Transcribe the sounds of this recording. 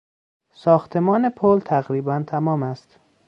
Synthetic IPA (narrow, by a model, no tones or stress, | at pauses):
sɒːxt̪ʰe̞mɒːnepʰolt̪ʰæɣɾiːbænt̪ʰæmɒːmæst̪